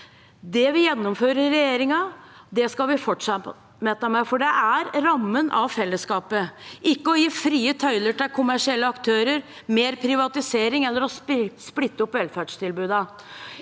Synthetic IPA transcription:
d̪ɛʋɪjɛnːʊmføːɾəɾɛjeːɾɪŋɑ | d̪ɛskɑlʋɪfɔʈʂɑ | mɛt̪ːɑmæfɔɖɛʔæɾɾɑmːənʔɑ̰ʋfɛlːəskɑːpəʔɪkːəɔjiːfɾiːət̪ʰœʏləʈɪlkʰʊmæʂɪɛlːəɑkt̪ʰøːɾəɾ | meːɾpʰɾɪʋɑt̪ɪseːɾɪŋɛlːəɾɔssplɪt̪ːəɔpːʋɛlfæɖʂt̪ʰɪlbʉːd̪ɑ

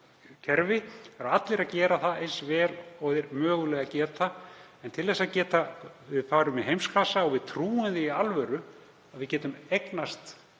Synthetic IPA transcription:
cʰɛɾvɪɛɾaat̪lɪɾaðcɛːɾaθaejnsvɛːlɔðɪɾmœːɣʏlɛɣacɛːɾt̪aɛnt̪ʰɪlθɛsːaðcɛːt̪avɪðfaːɾʏmɛðɦejmskʰlasaɔɣvɪðt̪ʰɾuːɪnðɪialvɛɾʏ | aðvɪðcɛːt̪ʏmejknast̪

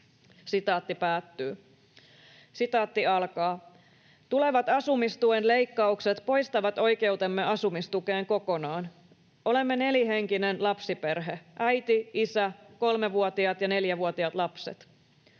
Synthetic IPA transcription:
sit̪ɑːt̪ːipæːt̪ːyː | sit̪ɑːt̪ːiɑlkɑː | t̪ule̞ʋɑt̪ɑsumist̪uenle̞jkːɑukse̞t̪po̞jst̪ɑʋɑt̪o̞jke̞wt̪e̞mːe̞ʔɑsumist̪uke̞ːŋko̞ko̞nɑːn | ʔo̞le̞mːene̞liɦe̞ŋkinenlɑpsipe̞rɦe̞ʔæjt̪iisæko̞lmeʋuot̪iɑt̪jɑne̞ljæʋuot̪iɑt̪lɑpsḛt̪

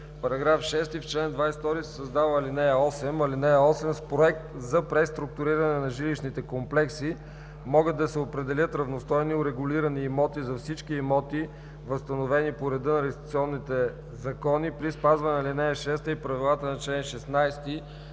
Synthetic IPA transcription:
pɐɾɐɡɾafʃɛst̪ift͡ʃlɛnd̪vajst̪ɔɾisɛsɐzd̪avəlinɛjəɔsɛmɐlinɛjəɔsɛmspɾoɛk̚t̪zɐpɾɛst̪ɾʊk̚t̪ʊɾiɾɐnɛnɐʒiliʃnit̪ɛkomplɛksi | mɔɡəd̪ːɐsɛopɾɛd̪ɛlʲət̪ɾɐvnost̪ɔjniʊɾɛɡʊliɾɐniːmɔt̪izɐfsit͡ʃkiːmɔt̪i | vɐst̪ɐnovɛnipoɾɛd̪ɤnɐɾɛɡʲst̪it̪siɔnːit̪ɛ | zɐkɔnipɾispazvɐnɛlinɛəʃɛst̪əipɾɐvilˠat̪ənɐt͡ʃlɛnʃɛsnajst̪i

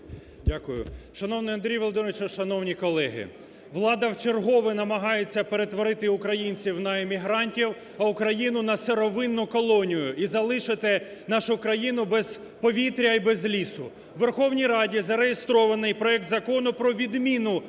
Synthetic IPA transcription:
dʲakʊjʊ̰ʃɐnɔwnɪjɐnd̪ɾʲijʋɔlˠd̪ɪnɔʋʲɪt͡ʃɐʃɐnɔwnʲikɔlˠɛɦɪ̰ | ʋlˠɑd̪ɐwt͡ʃerɦɔʋɪnɐmɐɦɑjet͡sʲːɐpe̞ɾe̞t̪ʋɔɾɪt̪ɪʊkɾɐjinʲt͡sʲiwnɐemʲiɦɾɑnʲtʲiw | ɐʊkɾɐjinʊnɐseɾɔʋɪnːʊkɔlˠɔnʲijʊʔizɐlˠɪʃɪt̪ɪnɑʃʊkɾɐjinʊbɛz | pɔʋʲit̪ɾʲɐibɛzlʲisʊ | ʋerxɔwnʲijɾɑdʲizɐɾejest̪ɾɔʋɐnɪjpɾɔɛk̚t̪zɐkɔnʊpɾɔʋʲid̪mʲinʊ

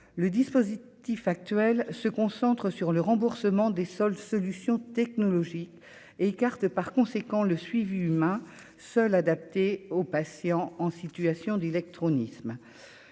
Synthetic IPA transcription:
ləd̪ispozit̪ifak̚t̪ɥɛlsəkɔ̃sɑ̃t̪χəsyʁləʁɑ̃buʁsəmɑ̃d̪esɔlsɔlysjɔ̃t̪ɛknɔlɔʒik | eːkaʁt̪əpaʁkɔ̃sekɑ̃ləsɥiviymɛ̃ | sœlad̪ap̚t̪eopasjɑ̃ɑ̃sit̪yasjɔ̃d̪elɛk̚t̪χɔnism

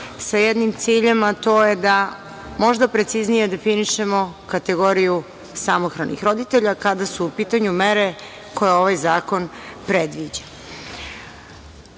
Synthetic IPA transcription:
sajed̪nimt̪siːʎemat̪o̞ːjed̪a | mo̞ʒd̪apɾe̞t̪siznije̞d̪e̞finiʃe̞mo̞kat̪e̞ɡo̞ɾiju | samoxɾanḭxɾo̞d̪it̪eʎakad̪asuːpiːt̪aɲumeɾe | ko̞jeo̞ʋajzaːko̞npɾed̪ʋid͡ʑa

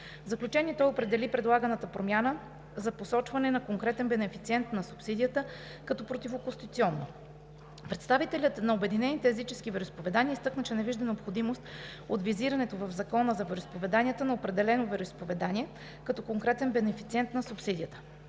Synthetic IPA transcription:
vzɐklʲut͡ʃɛniɛt̪ɔjopɾɛd̪ɛlipɾɛd̪lˠaɡənət̪əpɾomʲjanə | zɐposɔt͡ʃvɐnɛnɐkoŋkɾɛt̪ɛnbɛnɛfit̪siɛnt̪nɐsupsid̪ijət̪ə | kɐt̪ɔpɾot̪ifokʊst̪it̪siɔnːo | pɾɛt̪st̪avit̪ɛlʲət̪nɐobɛd̪inɛnit̪ɛːzit͡ʃɛskivɛɾʊispovɛd̪aniəist̪ɤknət͡ʃɛnɛviʒd̪ɐnɛopxod̪imost̪ | ot̪viziɾɐnɛt̪ovɐvzɐkɔnəzɐvɛɾoispovɛd̪anʲijət̪ənɐopɾɛd̪ɛlɛnovɛɾoispovɛd̪anʲiɛ | kɐt̪ɔkoŋkɾɛt̪ɛnbɛnɛfit̪siɛnt̪nɐsupsid̪iət̪ə̥

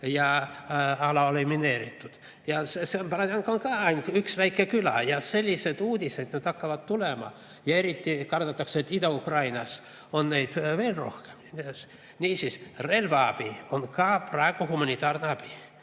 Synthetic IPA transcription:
jɑ | ɑlɑolimineːɾit̪ːut̪ | jɑsesemprɑt̪ɑŋkoŋkɑːɑinkyksʋæikːekylæjɑselʲːised̪uːd̪ʲised̪nyt̪ɑkːɑʋɑt̪t̪ulemɑ̰ | jɑeɾit̪ʲːikɑrt̪ɑt̪ːɑkseet̪ːid̪ɑukrɑinɑs | onneit̪ʋeːlro̰hke̥mns | nʲiːsisrelʋɑɑb̥ionkɑːprɑekuhumɑnʲit̪ɑːrnɑb̥i

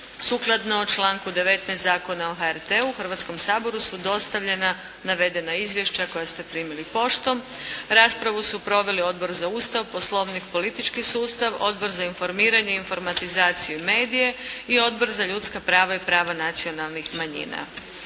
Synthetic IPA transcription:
suːklˠad̪noot͡ʃlˠaːŋkud̪e̞ʋe̞t̪nɛjst̪zaːko̞naoxaeɾt̪euxr̩ʋat̪sko̞msaːbo̞ɾusud̪o̞st̪aʋʎe̞na | naʋe̞d̪e̞naizʋje̞ʃt͡ɕako̞jast̪e̞pɾiːmilipo̞ʃt̪o̞mɾaːspɾaʋusupɾo̞ʋe̞lio̞d̪bo̞ɾzauːst̪aʋpo̞slˠo̞ʋnikpo̞lit̪it͡ʃkisuːst̪aʋo̞̰d̪bo̞ɾzainfo̞ɾmiːɾaɲe̞info̞ɾmat̪izaːt̪sijume̞ːd̪ije̞io̞d̪bo̞ɾzaʎuːt̪skapɾaːʋaipɾaːʋanat̪sio̞nalˠnixmaɲḭːna̰

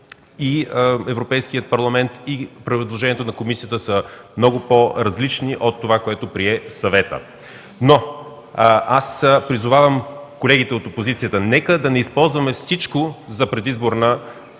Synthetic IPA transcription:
iɛvɾopɛjskijət̪̚pɐɾlˠɐmɛnt̪ipɾid̪lˠoʒɛniɛt̪onɐkomisijət̪əsəmnɔɡʊpoɾɐzlit͡ʃniʔot̪ːovakoɛt̪opɾiɛsɐvɛt̪ə̰ | no | aspɾizʊvavəmkolɛɡit̪ɛot̪opozit̪sijət̪ənɛkəd̪ɐnɛispɔlˠzvɐmɛfsit͡ʃkozɐpɾɛd̪izboɾnə

